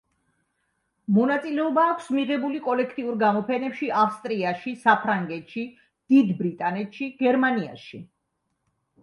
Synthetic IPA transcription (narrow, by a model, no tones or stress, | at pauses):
mɔnat̪sʼilɛɔbaːkʷʰsmiʁɛbulikʼɔlɛkʰt̪ʼiuɾɡamɔpʰɛnɛpʃiʔafst̪ʼɾiaʃisapʰɾaŋɡɛt̪ʃi | d̪̥id̪bɾit̪ʼanɛt̪ʃiɡɛɾmania̰ʃi